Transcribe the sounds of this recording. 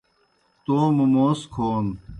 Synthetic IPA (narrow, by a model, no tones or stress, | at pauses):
t̪oːmumoːskʰoːn